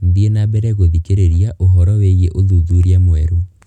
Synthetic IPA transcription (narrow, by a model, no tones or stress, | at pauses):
mbienabɛɾɛɣoðikeɾeɾiaʔoɦɔɾɔweɣeʔoðuðuɾiamwɛɾu